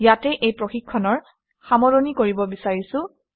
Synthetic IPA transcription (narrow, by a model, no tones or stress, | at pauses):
jatɛʔejpɹoxikʰːɔnɔɹ | xamɔɹonikoɹibɔbisaɹisʊ̃